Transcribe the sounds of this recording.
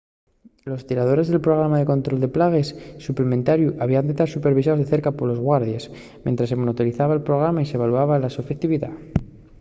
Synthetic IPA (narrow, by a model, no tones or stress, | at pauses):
lo̞st̪iɾað̞o̞ɾe̞zðelpɾo̞ɣ̞ɾamaðe̞ko̞nt̪ɾo̞ld̪e̞plaɣ̞e̞sːuplemẽnt̪aɾjuʔaβianet̪aɾsupe̞ɾβisao̞zðe̞θe̞ɾkapo̞ɾlo̞zɣwaɾð̞je̞s | mjent̪ɾasːe̞monot̪oliθaβaelpɾo̞ɣɾamaise̞βaluaβalasufekt̪iβiða